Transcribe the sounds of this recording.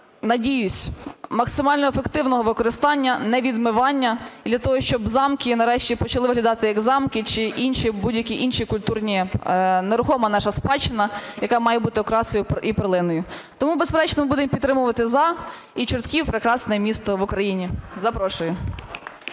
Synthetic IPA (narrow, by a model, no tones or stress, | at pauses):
nɐdʲijʊsʲmɐksɪmɑlʲnɔefekt̪ɪwnɔɦɔʋɪkɔɾɪst̪ɑnʲːɐnɛʋʲid̪mɪʋɑnʲːɐd̪lʲɐt̪ɔɦɔʃt͡ʃɔbzɑmkʲɪnɐɾɛʃtʲipɔt͡ʃɐlˠɪʋɪɦlʲɐd̪ɑt̪ɪjɐɡzɑmkɪt͡ʃɪʔinʃibudʲjɐkʲiʔinʃikʊlʲt̪urnʲineɾʊxɔmɐnɑʃɐspɑt͡ʃɪnɐjɐkɑmɑjɛbut̪ɪɔkɾɑsɔjʊʔipeɾlˠɪnɔjʊt̪ɔmubespeɾɛt͡ʃnɔmɪbud̪ɪmpʲit̪ːɾɪmʊʋɐt̪ɪzɑ | it͡ʃɔrt̪kʲiwpɾɪkɾɑsnɛɛmʲist̪ɔʋʊkɾɐjinʲizɐpɾɔʃʊjʊ